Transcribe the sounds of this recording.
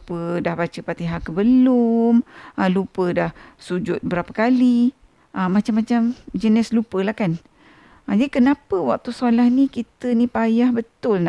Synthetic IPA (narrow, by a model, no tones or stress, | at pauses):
pədahbat͡ʃəpat̪iɦakəbəlʊmʔəlupədahsud͡ʒʊt̪̚bəɾapəkali | ʔəmat͡ʃamːat͡ʃamd͡ʒənɛslupəlahkan | ʔəd͡ʒadikənapəwa̰k̚t̪usolahnikit̪ənipajahbət̪ʊlna